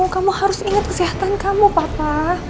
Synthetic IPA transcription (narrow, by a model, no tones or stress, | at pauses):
kamuhaɾʊsiŋat̪̚kəsiɦat̪ankamupapa